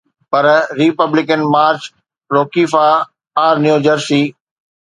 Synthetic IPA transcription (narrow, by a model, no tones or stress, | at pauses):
pɐɾɾipəblɪkənmaːɾt͡ɕ | ɾoːkiːfaː | ɾnjuːd͡ʑəɾsiː